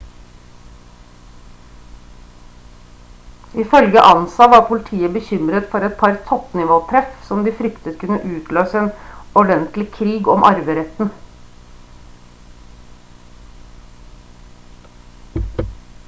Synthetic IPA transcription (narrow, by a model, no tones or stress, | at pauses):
ɪfœlɡəʔɑnsɑʋɑːɾpʰʊlɪt̪ʰiːəbəçʏmɾət̪fɔɾɛt̪̚pʰɑɾt̪ʰɔpnɪʋoːt̪ʰɾɛfsɔmd̪iːfɾʏkt̪ət̪kʉnːəʔʉːt̪ʰløːsəeːnɔɖɛnt̪lɪkʰɾiːɡɔmʔɑ̰ɾʋəɾɛt̪n̩